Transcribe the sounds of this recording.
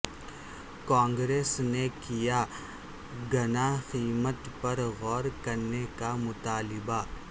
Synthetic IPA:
kãːŋɡɾeːsnekija | ɡɐnaxiːmət̪pɐɾɣɔːɾkɐɾnekamʊt̪aːlɪba

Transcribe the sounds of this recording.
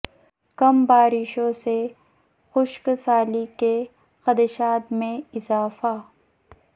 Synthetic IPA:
kɐmbaːɾɪʃõse | xʊʃksaːlike | xɐd̪əʃaːt̪mẽɪzaːfa

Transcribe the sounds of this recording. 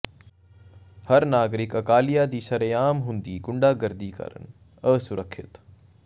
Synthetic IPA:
hɐɾnaːɡɾɪkɐkaːlijaːd̪iːʃɐɾẽːaːmɦũːnd̪iːɡʊɳɖaːɡɐɾd̪iːkə̰ɾə̰n | əːsʊɾəkʰːɪt̪

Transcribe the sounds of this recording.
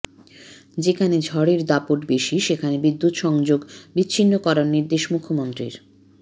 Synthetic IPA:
d͡ʑekʰaned͡ʑʱɔɽeɾd̪apoʈbeʃiʃekʰanebid̪ːut̪ʃɔŋd͡ʑoɡbiːɕʰinːokɔɾaɾniɾd̪eʃmukʰːomont̪ɾḭɾ

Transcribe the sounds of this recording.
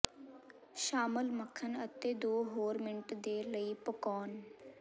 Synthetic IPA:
ʃaːməlməkʰːənət̪eːd̪oːɦoːɾmɪɳʈd̪eːləiːpəkɔːn

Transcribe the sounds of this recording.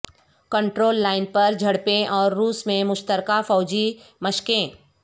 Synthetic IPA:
kə̃ɳʈɾoːlːaːɪnpɐɾd͡ʒʱɐɽpẽʔɔːɾːuːsmẽmʊʃt̪əɾkafɔːd͡ʒimɐʃkẽ

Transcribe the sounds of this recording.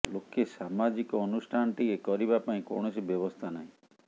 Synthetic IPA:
lokesamad͡ʒikɔːnusʈʰanɔʈ̪iekɔɾibapaĩkɔ̰ɳ̃ɔsibjɔbɔst̪ʰanaɦĩ

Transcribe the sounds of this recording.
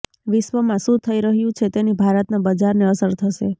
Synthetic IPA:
ʋɪʃʋəmãsũt̪ʰəiɾəɦjũt͡ʃʰet̪enibʱaɾət̪nabəd͡ʒaɾneəsəɾt̪ʰəʃe

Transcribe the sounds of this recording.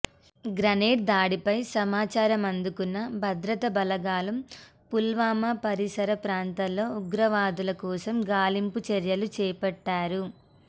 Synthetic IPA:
ɡɾɐneːɖ̚d̪aːɽipɐjsɐmaːt͡ʃaːɾɐmɐnd̪ukunːɐbʱɐd̪ɾɐt̪ɐbɐlɐɡaːlɐm | pulʋaːmɐpɐɾisɐɾɐpɾaːnt̪ɐllːo̞ːuɡɾɐʋaːd̪ulɐkɔːsɐmɡaːlimput͡ʃɐɾjɐlut͡ʃɛːpɐʈːaːɾu

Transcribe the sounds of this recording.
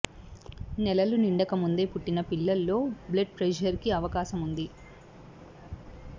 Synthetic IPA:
nɛlɐluniɳɖɐkɐmund̪e̞ːpuʈːinɐpilːɐlːo̞ːbleɖ̚pɾed͡ʒɐɾkiɐʋɐkaːʃɐmund̪i

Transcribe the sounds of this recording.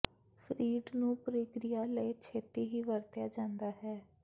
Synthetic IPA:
pʰɾiːɖnũːpɾɪkɾɪjaːləit͡ʃʰeːt̪eːɦiːʋəɾt̪jaːd͡ʒãːnd̪aːɦɛː

